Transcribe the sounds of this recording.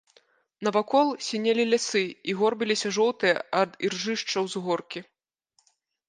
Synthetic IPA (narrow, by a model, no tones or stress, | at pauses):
nɐvakɔlˠsʲinʲelʲilʲasɨiɣɔrbʲilʲisʲɐʐɔlˠt̪ɨjɐɐd̪irʐɨʂt͡ʂɐwzɣɔrkʲi